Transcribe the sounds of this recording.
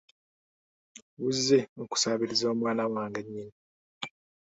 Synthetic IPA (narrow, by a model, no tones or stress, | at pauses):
wuzːeoku̥saːβiɾizo̞ːmwaːnawaːŋɡeɲːini